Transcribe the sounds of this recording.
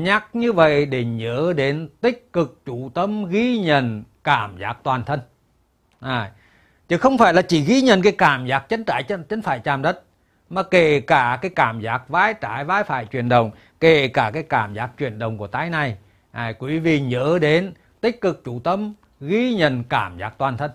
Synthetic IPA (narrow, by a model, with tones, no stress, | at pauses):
ɲa˦˥k̚ɲɨ˧və̰˧˨jɗe˨˩ɲə̰ː˧˥˦ɗe˨˦nt̪ï˦˥k̟̚kɨ˨˩k̚t͡ɕu˧˩t̪ə˧mɣi˧ɲə˧˩˨nkaː˧˩mzaː˨˦˥k̚t̪waː˨˩nt̪ʰə˧n | ʔa˨˩ | t͡ɕɨ˨˧˦xə˧wŋ͡mfaː˧˩jlaː˨˩t͡ɕi˧˩ɣi˧˦ɲə˨nkaː˨˦jkaː˧˩mzaː˦˥k̚t͡ɕə˨˦nt͡ɕaː˧˩˨jə˧t͡ɕə˨˦nfaː˧˨jt͡ɕaː˨˩mɗə˦˥t̚ | maː˨˩ke˧˩kaː˧˩kaː˨˦jkaː˧˩mzaː˨˦˥k̚vaː˨˦jt͡ɕaː˧˩jvaː˨˦jfa̰ː˧˨jt͡ɕwi˨˩ənɗə˨˩wŋ͡m | ke˧˩kaː˧˩kaː˨˦jkaː˧˩mzaː˦˥k̚t͡ɕwi˨˩ənɗə˨˩wŋ͡mku˧˩ət̪aː˨˦jna˨˩j | ʔa˨˩kwi˨˦vḭ˧˨ɲə̰ː˧˥ɗe˨˦n | t̪ï˦˥k̟̚kɨ˨˩k̚t͡ɕu˧˩t̪ə˧m | ɣi˧˦ɲə˨˧˨nkaː˧˩mza̰ː˨˦˥k̚t̪waː˨˩nt̪ʰə˧n